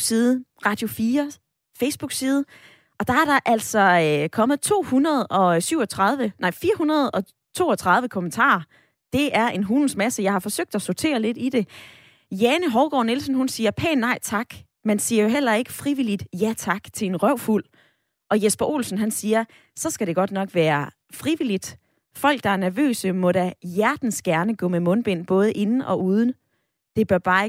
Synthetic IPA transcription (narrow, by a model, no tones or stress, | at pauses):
siːðˠəʁɑ̈d̥jo̝fiːɐ | feɪsb̥uɡ̥siːð̞ˠ | ʔɒ̽d̥ɑ̈æɐɾɑ̈ʔæl̰sɒ̽kʰɒ̽mð̩ˠt͡sʰo̝̰ːhunɐð̞ˠɒ̽syʊ̰ɒ̽t͡sʰʁɑ̈ðˠʋənɑ̈ɪ̰fiːɐhunɐð̞ˠɒ̽ | t͡sʰo̝̰ːɒt͡sʰʁɑ̈ðˠʋəkʰo̽mənt͡sʰɑ̰̈ːɐ | d̥e̝ʔæɐʔe̝nɦunn̩smæsəjɑ̈ɪhɑ̈fɒ̽søɡ̥̚d̥æsot͡sʰe̝̰ːɐle̝d̥id̥e̝ | jænəɦɒʊɡ̥ɒ̰ːne̝lsn̩ɦunsiːɐpʰɛ̰ːnɑ̈ɪt͡sʰɑ̈ɡ̥ | mensiːɐjoɦel̰ɐe̝ɡ̥əfʁiʋilid̥jæt͡sʰɑ̈ɡ̥t͡sʰe̝enʁœʊ̰ful̰ | ʔɒ̽jesb̥ɐʔo̝̰ːlsn̩ɦænsiːɐ | sɒ̽sɡ̥æɾe̝ɡ̥ɒ̽d̥nɒ̽ɡ̥ʋæːɐ | fʁiʋil̰id̥ | fɒ̽l̰ɡ̥̚d̥ɑ̈æɐnæɐʋø̰ːsəmɔ̽ɾ̥æjæɐd̥n̩sɡ̥æɐnəɡ̥ɔ̰̽ːmemɔ̽nb̥e̝n̰b̥ɔ̽ːð̞ˠəʔe̝nn̩ɒ̽ʔuːð̞ˠn̩ | d̥e̝b̥ɶɐb̥ɑ̈ː